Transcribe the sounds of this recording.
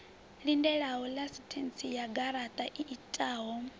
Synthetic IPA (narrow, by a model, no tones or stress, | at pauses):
lindɛɺaɦɔlasitʰɛnt͡sijaɡaɾat̪ʼaʔiʔːtʼaːɦɔ